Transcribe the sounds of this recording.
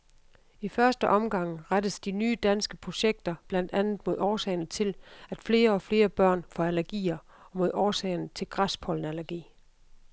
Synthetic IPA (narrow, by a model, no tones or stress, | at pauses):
ifɶɐsd̥əʔɒ̽mɡ̥ɑ̈ŋ̰ʁad̥əsd̥inyːd̥ænsɡ̥əpʰʁo̝ɕeɡ̥̚d̥ɐb̥lænd̥ænð̩ˠmo̝ð̞̰ˠɒːsɛɪnət͡sʰe̝læd̥fle̝ːɐɒ̽fle̝ːɐb̥ɶɐ̰nfɒælæɐɡ̥ḭːɐ | ɒ̽mo̝ð̞̰ˠɒːsɛ̰ɪnət͡sʰe̝lɡ̥ʁaspʰɒ̽l̰n̩ælɐɡ̥ḭː